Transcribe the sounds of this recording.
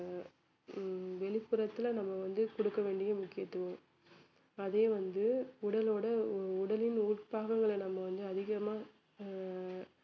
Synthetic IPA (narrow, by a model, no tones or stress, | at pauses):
ʋɛɭɪpːɯɾɐt̪ːɪlnɐmːɐʋɐnd̪ɯkɔɽɯkːɐʋeːɳɖɪjɐmʊkːɪjɐt̪ːɯʋõm | ɐðeːʋɐnd̪ɯʊɽɐloːɽɐʊɽɐlɪnuːʈpaːɣɐŋɡɐɭɛnɐmːɐʋɐnd̪ɯɐðɪɣɐmaː